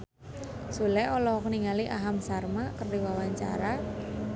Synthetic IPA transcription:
sulɛɔlɔɦɔkəniŋaliʔaɦamsarmakərdiwawaɲt͡ʃa̰ɾa

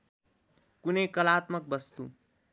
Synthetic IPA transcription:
kunʌjkʌlat̪mʌk̚bʌst̪ṵ

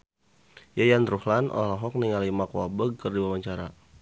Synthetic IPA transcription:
jajanɾuhlanʔa̰lalaɦɔk̚niŋalimakwabəɡ̚kərdiwawaɲt͡ʃaɾa

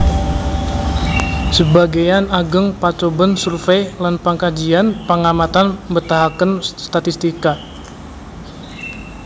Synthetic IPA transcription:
səbaɡajanaɡəŋpat͡ʃobənsurfejlanpaŋkad͡ʒianpəŋamat̪anbərt̪aɦakənst̪at̪ist̪ika

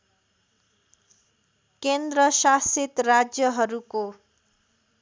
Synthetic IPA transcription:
kend̪ɾʌsaset̪rad͡zjʌɦʌɾuko

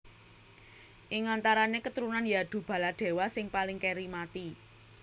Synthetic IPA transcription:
ʔɪŋant̪aɾanekət̪əɾunanjad̪̥ṳb̥ä̤lad̪̥e̤wasɪŋpalɪŋkeɾimat̪i

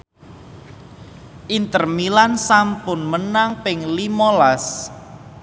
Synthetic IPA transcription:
ʔint̪ərmilansampʊnmənaŋpɪŋlimolas

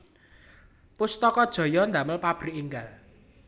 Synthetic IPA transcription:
pʊst̪ɔkɔd̥ʒ̥ɔ̤jɔnd̪aməlpab̥ɾiʔiŋɡal

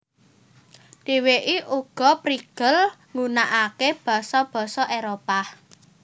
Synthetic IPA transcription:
d̥i̤weʔiʔuɡ̥ɔ̤pɾiɡ̥əlŋunaʔakeb̥ɔ̤sɔb̥ɔ̤sɔʔeɾopa

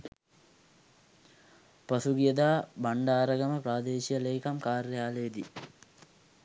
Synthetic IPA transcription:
pɐsuɡijəd̪aːbɐɳɖaːɾɐɡɐməpɾaːd̪eːʃijəleːkɐmkaːrjaːled̪i

